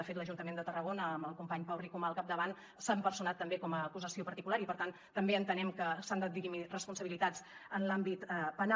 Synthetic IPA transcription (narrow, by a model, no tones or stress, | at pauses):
əfet̪ləʒunt̪əmend̪ət̪ərəɣonəːməlˠkumpaɲpawrikumalˠkap̚d̪əβan | sampəɾsunat̪ːəmbekɔməːkuzəsiopəɾt̪ikulaɾipəɾt̪an | t̪əmbeənt̪ənɛmkəsand̪at̪̚iimirəspunsəβilit̪at͡sənlambit̪pəna